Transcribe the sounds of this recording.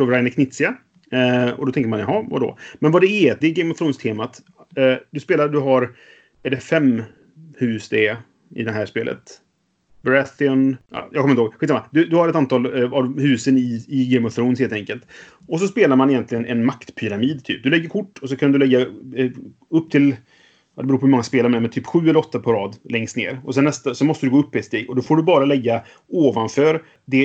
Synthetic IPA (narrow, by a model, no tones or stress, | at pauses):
ovɾajnɛkʰnɪt̪sɪa | ɔ̰d̪ɔt̪ʰɛŋkəɾmanjaɦɑva̰d̪ɔ̰mɛnvad̪ɛɛd̪ɛɡɛjmɔθɾuːnst̪ʰeːmat̪ː | d̪ɵspeːlaɾd̪ɵɦaɾ | æɖɛfɛmː | hʉ̟ːsd̪ɛ | ɪ̰d̪ɛnɦæːʂpḛːlʔə̰t̪ | bɾɛθɪɔnɑ̰jɑɡkʰɔmːɪhoɡɧit̪samad̪ɵd̪ɵhaɾɛt̪ant̪ʰɑːlavhʉ̟ːsənɪɪɡɛmɔθɾuːnheːlt̪ɛŋkəlt̪ | ɔs̬ɔspeːlaɾmanɪjɛnt̪lɪɡənʔɛ̰nmakt̪pʰʏɾamiːd̪t̪ʰy̰ːp̚d̪ɵlɛɡːəɾkʰʊʈːɔs̬ɔkʰand̪ɵlɛɡːa | ɵpːt̪ʰɪl | jɑd̪ɛbɾuːpɔhmɔŋːaspeːlaɾmɛmɛt̪ʰyːpɧʉ̟ːɛlːəɾɔt̪ːapʰaɾɑːd̪lɛŋst̪nḛːɾɔsɛnːɛst̪asɔnmɔst̪əd̪ɵɡoːɵpːɪɛt̪st̪eːɡɔd̪ɔfoːɖɵbɑːɾalɛɡːa | oːvanfœːɾ | d̪ɛ